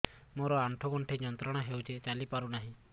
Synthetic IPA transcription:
moɾɔaɳʈʰɔɡɔɳʈʰeɲɔnt̪ɾɔɽ̃aɦewt͡ʃet͡ʃalipaɾunaɦĩ

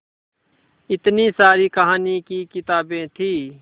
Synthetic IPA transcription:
ɪt̪nisaːɾikəɦaːnikikɪt̪aːbẽːt̪ʰiː

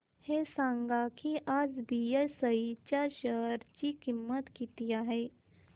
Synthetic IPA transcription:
hesãːŋɡakiʔad͡zbiesəit͡ɕaʃəɦɾt͡ʃikimːət̪kit̪ijaɦɛ

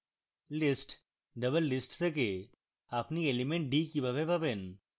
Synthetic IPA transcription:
lɪsʈ | ɖɐbəlːɪsʈseke | ɐpnielimẽɳʈ̚ɖiːkibabebaben

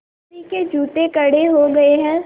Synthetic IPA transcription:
iked͡ʒʱuːʈ̪ekɐɽeɦoɡɐeɦɛ̃ː

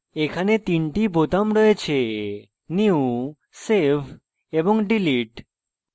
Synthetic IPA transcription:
ekʰanet̪inʈibot̪amɾɔet͡ɕʰe | niu | sebʰʱ | eboŋɖiliʈ

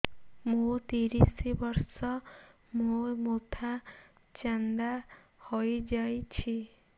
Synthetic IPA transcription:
mut̪iɾisibɔɾsɔ | momot̪ʰa | t͡ʃand̪a | hojd͡ʒajt͡ʃʰi

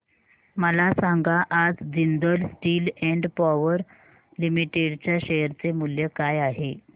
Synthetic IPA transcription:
məlasaŋɡaʔad͡zd͡zind̪əlsʈiːlɛɳɖpɔʋəɾ | limiʈeɽt͡ɕjaɕejəɾt͡semuljəkajaɦe

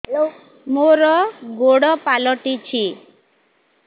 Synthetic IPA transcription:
moɾɔɡoɽɔpalɔʈit͡ʃʰi

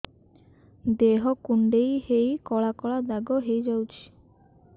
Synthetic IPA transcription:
d̪eɦɔkuɳɖejhejkɔɭakɔɭad̪aɡɔɦejd͡ʒawt͡ʃʰi̥

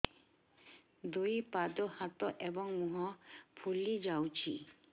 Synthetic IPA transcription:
d̪ujpad̪ɔhat̪ɔʔebɔŋmuɦɔpʰulid͡ʑawt͡ɕʰi

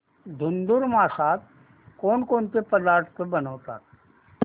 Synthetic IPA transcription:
d̪ʱʊnd̪ʊɾmaːsaːt̪̚ | koːnkoːnkepəd̪aːɾt̪t̪ʰəbənoːt̪a̰ːk

